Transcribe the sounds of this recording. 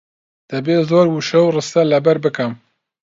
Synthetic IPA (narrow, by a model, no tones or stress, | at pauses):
d̪̥ɐbeːzoːɾwuʃɐwrɨst̪ɐlɐbɛɾbɨkɨm